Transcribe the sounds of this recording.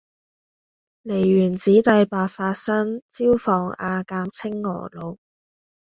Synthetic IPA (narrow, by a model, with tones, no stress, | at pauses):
le˨˩jɥyː˨˩nt͡siː˨˥t̪ɐ˨˧jpaː˨˧t̚faː˧t̚sɐ˥ŋt͡siː˥wfɔː˨ŋa̰ː˧kaː˧mt͡sʰɪ˥ŋːɔ̰ː˨˩lo˨˧w